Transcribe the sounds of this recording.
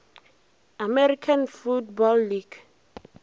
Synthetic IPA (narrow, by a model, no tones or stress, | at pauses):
amɛɾikʰãnfut̚bɔlːiɡ